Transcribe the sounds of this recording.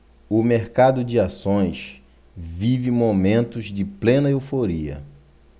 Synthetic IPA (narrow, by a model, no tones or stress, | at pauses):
ʊmeɾkad̪ʊd͡ʒɪasõj̃s | vivɪmomẽnt̪ʊzd͡ʒɪplẽnɐewfoɾiɐ̰